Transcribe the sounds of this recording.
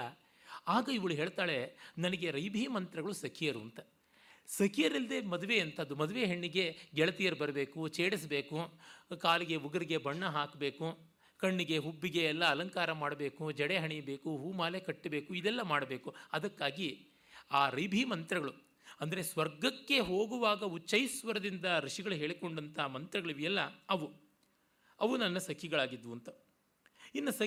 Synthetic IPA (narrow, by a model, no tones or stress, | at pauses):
aːɡɐiʋɐɭuɦeːɭt̪aːɭe̞nɐnɐɡe̞ɾɐjbʱiːmɐnt̪ɾɐɡɐɭusɐkʰijɐɾuɐnt̪ɐ | sɐkʰijɐɾild̪eːmɐd̪uʋeɐnt̪ɐɐd̪umɐd̪uʋeːɦeɳːiɡe̞ɡɛɭɐt̪ijɐɾubɐɾɐbe̞ːkut͡ʃeːɽis̬ɐbeːkukaːliɡe̞uɡɐɾiɡe̞bɐɳːɐɦaːkbe̞ːku | kɐɳːiɡe̞ɦubːiɡe̞ːlːɐːlɐŋkaːɾɐmaːɽɐbe̞ːkud͡ʒɛɽeɦɐɳijɐbeːkuɦuːmaːlekɐʈːɐbeːkuid̪ɛlːɐmaːɽɐbe̞ːkuɐd̪ɐkːaːɡi | aːɾibʱiːmɐnt̪ɾɐɡɐɭu | ɐnd̪ɐɾe̞sʋɐɾɡɐkːe̞ɦo̞ːɡuʋaːɡɐut͡ʃːɐjsʋɐɾɐd̪ind̪ɐɾiʂiɡɐɭuɦe̞ːɭiko̞ɳɖɐnt̪ʰɐmɐnt̪ɾɐɡɐɭiʋiɛlːɐɐʋu | ɐʋunɐnːɐsɐkʰiɡɐɭaːɡid̪ʋuɐnt̪ɐ | inːɐsɐ